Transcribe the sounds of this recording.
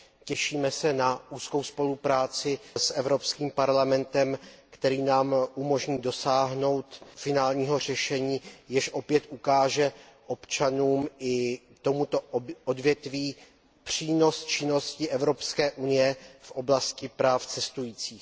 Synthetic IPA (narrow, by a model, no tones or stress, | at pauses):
cɛʃiːmɛsɛnaʔuːskowspo̞lupɾaːt͡sɪsʔɛvɾo̞pskiːmpaɾlamɛnt̪ɛmkt̪ɛɾiːnaːmʔumo̞ʒɲiːdo̞saːɦno̞wt̪fɪnaːlɲiːɦo̞r̝ɛʃɛɲiːjɪʃʔo̞pjɛt̪ʔukaːʒɛʔo̞pt͡ʃanuːmʔɪ | t̪o̞mut̪o̞ʔodvjɛt̪viː | pr̥iːno̞st͡ʃɪno̞scɪʔɛvɾo̞pskɛːʔunɪjɛfʔo̞blascɪpɾaːft͡sɛst̪ujiːt͡siːx